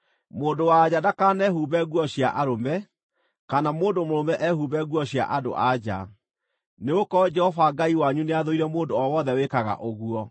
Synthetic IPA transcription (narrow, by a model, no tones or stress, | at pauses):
moːndowaːd͡ʑadakanɛɦuβɛɣwɔɕjaʔaɾomɛ | kanamoːndomoɾomɛʔɛhuβɛɣwɔɕja̰ʔado̰ʔad͡ʑa̰ | neokɔd͡ʒɛhɔfaɡaiwaɲuneaðoiɾɛmoːndoɔwɔðɛwekaɣa̰ʔoɣuɔ